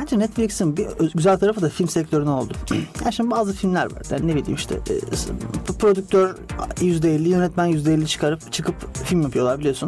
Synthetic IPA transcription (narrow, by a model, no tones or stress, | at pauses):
hænd͡ʒinɛt̪flʲicsinbiɟyzælʲt̪ʰaɾafɯd̪afilʲmsɛc̚t̪ʰø̞ɾyno̞lˠd̪ʊjæɾʃimbaːzɯfilʲmlʲæɾva̰ɾd̪a̰nnebilʲḭːmiʃt̪ʰɛ̰ːpɾo̞d̪yk̚t̪ʰøɾjyzd̪ɛelʲːijø̞nɛt̪mænjyzd̪ɛelʲːit͡ʃʰɯ̥kʰaɾɯpt͡ʃʰɯkʰɯpfilʲmjapʰɯjo̞lˠaɾbiijo̞sun